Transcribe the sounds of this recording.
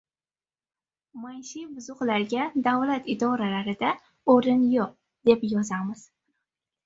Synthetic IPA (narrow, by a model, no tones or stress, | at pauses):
maj̪ʃibʊzʊqlaɾɡʲad̪avlat̪ɪd̪ɒɾalaɾɪd̪a | oɾɪnjoq̚ | d̪̥e̞pjɒzamɪz̥